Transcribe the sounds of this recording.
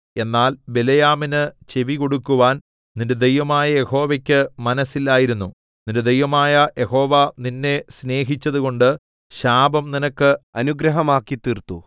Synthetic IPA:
e̞nːaːlbe̞lɐjaːminɨt͡ɕe̞ʋiko̞ɽukːuʋaːn | ninded̪ejʋɐmaːjɐje̞ho̞ːʋɐkʲːɨmɐnɐsːilːaːjiɾunːu | ninded̪ejʋɐmaːjɐje̞ho̞ːʋɐninːe̞sne̞ːɦit͡ɕːɐðuko̞ɳɖɨ | ɕaːbɐmninɐkːɨɐnuɡɾɐɦɐmaːkːit̪ːiːrt̪ːu

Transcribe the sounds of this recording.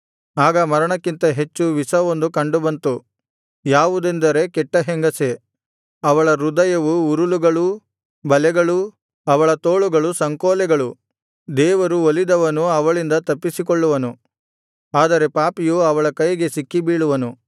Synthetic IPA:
aːɡɐmɐɾɐɳɐkːint̪ɐɦe̞t͡ʃːuʋisɐʋond̪ukɐɳɖubɐnt̪u | jaːʋud̪end̪ɐɾe̞kɛʈːɐɦeŋɡɐse | ɐʋɐɭɐɾud̪ɐjɐʋuuɾuluɡɐɭu | bɐlɛɡɐɭu | ɐʋɐɭɐt̪oːɭuɡɐɭusɐŋkoːlɛɡɐɭu | d̪ɛːʋɐɾuolid̪ɐʋɐnuɐʋɐɭind̪ɐt̪ɐpːisik̬oɭːuʋɐnu | aːd̪ɐɾe̞paːpijuɐʋɐɭɐkɐjɡe̞sikːibiːɭuʋɐnu

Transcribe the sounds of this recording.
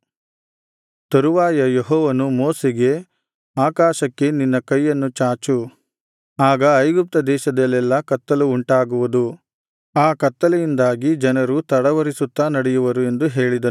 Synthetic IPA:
t̪ɐɾuʋaːjɐjeɦɔːʋɐnumoːseɡe̞ | aːkaːʃɐkːe̞ninːɐkɐjːɐnːut͡ʃaːt͡ʃu | aːɡɐɐjɡup̚t̪ɐd̪ɛːʃɐd̪ɐlːɛlːɐkɐt̪ːɐluːɳʈaːɡuʋud̪u | aːkɐt̪ːɐlɐjind̪aːɡid͡ʒɐnɐɾut̪ɐɽɐʋɐɾisut̪ːanɐɽɛjuʋɐɾue̞nd̪uɦe̞ːɭid̪ɐ

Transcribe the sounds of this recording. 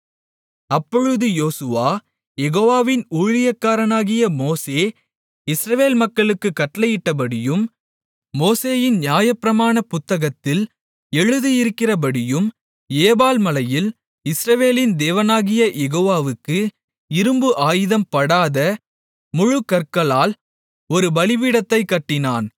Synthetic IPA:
ɐpːɔɻɯðɯjoːsɯʋaː | jɛɣoːʋaːʋɪnuːɻɪjɐkːaːɾɐnaːɣɪjɐmoːseː | ɪsɾɐʋeːlmɐkːɐɭɯkːɯkːɐʈlɐjɪʈːɐp̬ɐɽɪjɯmː | oːseːjɪnnjaːjɐpːɪɾɐmaːnɐpʊt̪ːɐɣɐt̪ːɪl | ɛɻɯðɯjɪɾɯkːɪrɐpɐɽɪjɯm | eːbaːlmɐlɐjɪl | ɪsɾɐʋeːlɪnd̪eːʋɐnaːɣɪjɐjɛɣoːʋaːʋɯkːɯ | ɪɾɯmbɯʔaːjɪðɐmpɐɽaːðɐ | mʊɻʊkːɐɾkɐlaːl | ɔɾɯbɐlɪʋɪɽɐt̪ːɐɪkːɐʈːɪnaːn

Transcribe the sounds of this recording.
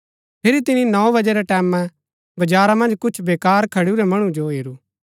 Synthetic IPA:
pʰɪɾit̪ɪninɔ̃bɐd͡ʒɛɾɛʈɛːmːã | bɐd͡ʒaːɾamɐ̃nd͡ʒkʊt͡ʃʰbeːkaːɾkʰɐɽuɾɛmɐɽ̃ũd͡ʒoɦeːɾuː

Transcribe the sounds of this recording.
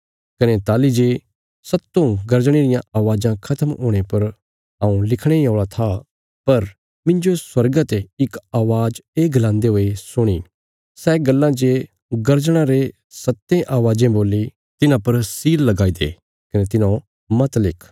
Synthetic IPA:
kɐnet̪aːlid͡ʒe | sɐt̪ːõɡɐɾd͡ʒɽ̃eɾɪjãaːʋaːd͡ʒãkʰɐt̪ʰəmɦoːɽ̃epɐɾ | ãːũlɪkʰɽ̃eoːɭat̪ʰa | pɐɾ | mɪ̃ɲd͡ʒoswɐɾɡat̪eɪkaːʋaːd͡ʒeːɡlãːnd̪eɦoːesʊɽ̃iː | sɛɡɐlːãd͡ʒe | ɡɐɾd͡ʒɽ̃ãɾe | sɐt̪ːẽʔaːʋaːd͡ʒẽboːlːi | t̪ɪnãpɐɾsiːɾlɐɡaːid̪ḛː | kɐnet̪ɪnã | mɐt̪lɪkʰ

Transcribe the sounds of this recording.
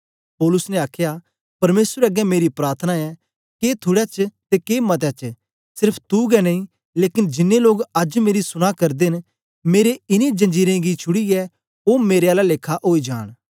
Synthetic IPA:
pɔːlʊsnɛ̃aːkʰja | pɐɾmeːsɾɛɐɡɛmeːɾipɾaːɾt̪ʰənaɛ | keːt̪ʰʊɽɛt͡ʃt̪ekeːmɐt̪̬ɛt͡ʃ | sɪɾpʰt̪uɡɛnɐĩ | leːkɪnd͡ʒɪnːeloːɡɐd͡ʒmeːɾisʊñakɐɾd̪en | meːɾeɪnẽd͡ʒɐ̃nd͡ʒiːɾẽɡit͡ʃʰʊɽiɛ | oːmeːɾeaːlaleːkʰːaʔoːid͡ʒa̰ːɽ̃

